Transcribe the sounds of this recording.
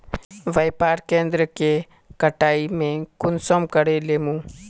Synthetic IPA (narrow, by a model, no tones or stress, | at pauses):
ʋəjpaːɾkẽːnd̪ɾəke | kəʈaːimẽkʊnsɔmkəɽeleːmũ